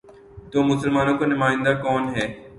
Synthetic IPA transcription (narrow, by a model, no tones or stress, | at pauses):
t̪oːmʊsəlmaːnõkonʊmaːɪ̃nd̪akɔːnɦɛː